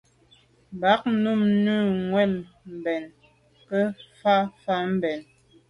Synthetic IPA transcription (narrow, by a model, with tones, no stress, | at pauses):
ba˨˦k̚nu˦˨mnʉː˦˨ŋwɛ˦˨l | m̩˨bɛ˨n | kə˦fa˦fa˦m̩˦bɛ˨n